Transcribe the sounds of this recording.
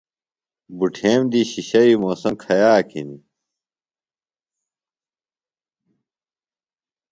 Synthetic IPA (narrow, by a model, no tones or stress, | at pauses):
buʈʰeːmd̪iɕiɕɐimoːsɐmkʰɐjaːkʰini